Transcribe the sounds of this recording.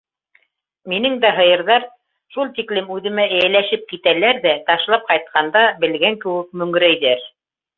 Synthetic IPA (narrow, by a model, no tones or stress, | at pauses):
minɘŋd̪æɦɤ̆jɤ̆ɾðɑɾ | ʃulˠt̪iklɘmʉðɘ̆mæʔæ̆jælæʃɘp̚kit̪ælæɾðæt̪ɑʃlˠɑp̚qɑjt̪̚qʰɑnd̪ɑbɘ̆lɡæŋkɘ̆wɘk̚mɵ̆ŋɡɘ̆ɾæjðæɾ